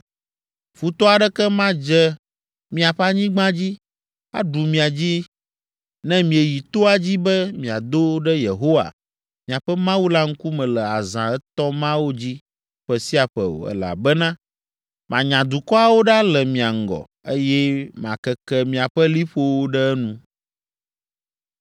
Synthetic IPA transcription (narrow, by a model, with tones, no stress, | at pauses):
fu˦t̪ɔ˦a˨ɖɛ˦kɛ˦mã˦d͡ʒɛ˦ | mĩ˦a˨ɸɛ˦a˦ɲĩ˦ɡ͡bã˦d͡ʑi˦ | a̰˦ɖu˨mĩ˨a˨d͡ʑi˦ | nɛ̃˦mĩ˨e˨ji˨t̪o˦a˨d͡ʑi˦bɛ˦mĩ˨a˨d̪o˦ɖɛ˦je˨ɦo˦wa̰˨ | mĩ˨a˨ɸɛ˦mã˦wu˦la˦ŋ̩˦ku˦mɛ̃˨lɛ˨a˨zã˨ɛ˦t̪ɔ˦mã˦wo˦d͡ʑi˦ | ɸɛ˨si˦a˨ɸɛ̰˨o̰˨ɛ̰˨la̰˨bɛ˦nã˦ | mã˨ɲã˨d̪u˨kɔ˦a˨wo˦ɖa˦lɛ˨mĩ˨a˨ŋ̩˨ɡɔ̰˨ | e˦jɛ˦mã̰˨kɛ˦kɛ˦mĩ˨a˨ɸɛ˦li˦ɸo˦wo˦ɖɛ˦ɛ˦nũ˦